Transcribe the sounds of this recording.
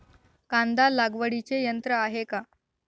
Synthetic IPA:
kãnd̪alaɡʋəɽit͡sejənt̪ɾəaɦeka

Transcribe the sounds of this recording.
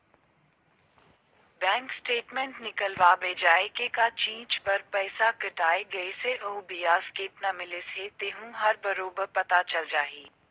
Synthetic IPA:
bɛ̃ːŋksʈeːʈmẽːɳʈnɪkəlʋaːbeːd͡ʒaːekekat͡ʃĩːt͡ʃpɐɾpɛːsakɐʈaːeɡɐeseʔoːbijaːskeːʈnɐmɪleset̪eːɦũɦɐɾbɐɾoːbəɾpɐt̪at͡ʃɐld͡ʒaːɦiː

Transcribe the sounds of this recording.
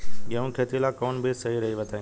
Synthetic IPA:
ɠəũkʰeːt̪ilakɔːnbɪsɐɦiɾɐɦiʋɐt̪ʰaːĩ

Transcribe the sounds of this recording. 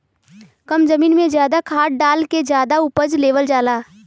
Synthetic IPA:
kəmzɐmiːnmẽzjaːd̪akʰaːʈ̚ɖaːlked͡ʒjaːd̪aʊpəd͡ʒleːʋəld͡ʒaːlaː

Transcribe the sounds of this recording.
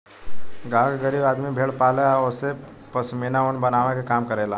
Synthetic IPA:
ɡãːɡɡəɾiːbaːd̪mibʱeːɽpaːleaose | pɐsminaʊɳbɐnaːʋekekaːmkəɾeːlaː

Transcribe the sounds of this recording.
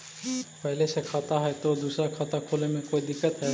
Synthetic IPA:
pɐɦɪlesekʰaːt̪aɦɛt̪od̪uːsɾakʰaːt̪akʰoːlemẽkoːid̪ɪkːət̪ɦɛ

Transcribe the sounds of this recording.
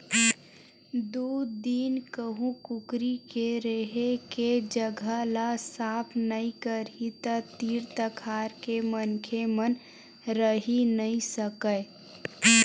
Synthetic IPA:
d̪uːd̪iːnkəɦũkʊkɾikeɾeɦeked͡ʒəɡʱəlasaːpʰnəĩkəɾit̪ət̪iːɾt̪əkʰaːɾkemənkʰemən | ɾəɦinəĩsəkə

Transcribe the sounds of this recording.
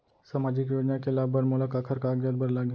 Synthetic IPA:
samaːd͡ʒikjoːd͡ʒnakelaːbbəɾmoːlakaːkʰəɾkaːɡjad̪̚bɐɾlaːɡ

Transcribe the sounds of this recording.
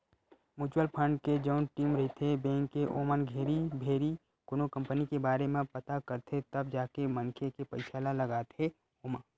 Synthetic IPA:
muːt͡ʃwəlpʰə̃ɳɖked͡ʒɐʊnʈiːmɾɐɦit̪ʰebẽːŋkːeʔoːmənɡʱeːɾibʱeːɾi | kʊnokə̃mpənikebaːɾemẽpɐt̪akəɾt̪ʰet̪ɐbd͡ʒaːkemɐŋkʰekepɐɪʃʰaːlalɐɡaːt̪e | oːma

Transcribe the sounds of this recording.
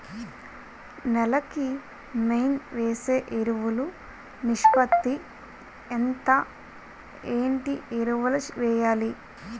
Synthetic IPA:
nɛlɐki | mejnʋeːse̞ːʔeɾuʋulu | niʂpɐt̪ːi | ent̪ɐ | eːɳʈieɾuʋɐlɐt͡ʃʋɛːjaːli

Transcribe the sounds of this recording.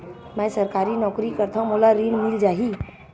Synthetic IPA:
mɛ̃səɾkaːɾinɔːkɾikəɾt̪ʰaũmolaɾiɳ̃mild͡ʒaɦi

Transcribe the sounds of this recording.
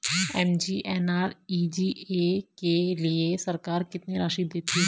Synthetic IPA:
ɛːmd͡ʒiːʔɛːnaːɾiːd͡ʒiːekelɪesəɾkaːɾkɪt̪niɾaːʃiːd̪ɪt̪ʰːiː

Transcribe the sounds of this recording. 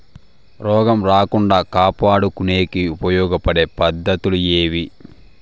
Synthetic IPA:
ɾɔːɡɐmɾaːkuɳɖaːkaːpaːɽukuneːkiupɐjɔːɡɐpɐɽe̞ːpɐd̪ːɐt̪ulueːʋi

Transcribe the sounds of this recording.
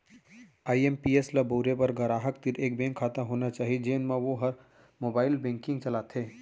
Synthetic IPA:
aːiempiːɛslaboːɾepɐɾɡɐɾaːɦək̚t̪ɪɾeːkbɛ̃ːŋkʰːaːt̪aɦoːnat͡ʃaːɦid͡ʒeːnmãʋoɦɐɾ | moːbaːɪlbɛ̃ːŋkɪ̃ŋɡt͡ʃɐlaːt̪ʰeː

